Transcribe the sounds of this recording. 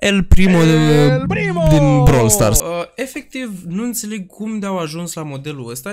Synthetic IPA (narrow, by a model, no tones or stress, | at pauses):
elpɾimo | d̪inbɾolst̪a̰rse̞fe̞k̚t̪ivnuɨnt̪se̞le̞ɡ̚kumd̪eawaʒunslamo̞d̪e̞luəst̪a